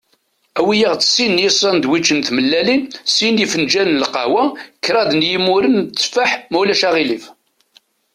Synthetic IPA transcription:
æwijəʁt͡sːə̥sinjəsˤɑnd̪wit͡ʃːənθməlːælinsinifənd͡ʒænəlqɑ̰wækːɾˤɑðnjimʊɾənt͡sːfaħmulæʃæʁilif

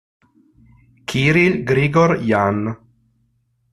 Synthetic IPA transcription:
kʰiɾilɡɾiɡɔɾjan

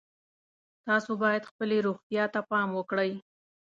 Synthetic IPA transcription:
t̪ɑsobɑjad̪xpəleɾuxt̪jɑt̪apɑmwəkɽəj

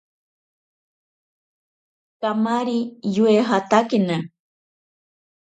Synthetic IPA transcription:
kamaɾijueɦat̪akina

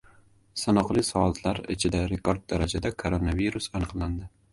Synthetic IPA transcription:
sanɒqlˠɪsɒat̪ʰlaɾɪ̰t͡ʃʰɪd̪aɾekoɾd̪̚ːaɾad͡ʒad̪akʰoɾonaviɾusanɨqlˠand̪ɪ

